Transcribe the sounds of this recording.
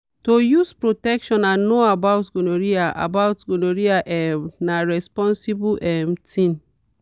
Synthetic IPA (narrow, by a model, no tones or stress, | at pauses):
tojuspɹotɛkʃɔ̃nãnnoabawtɡonoɹiaʔa̰baʊtɡonoɹiaʔɛmnaɹɛspɔ̃nsibuʔɛmtʰĩn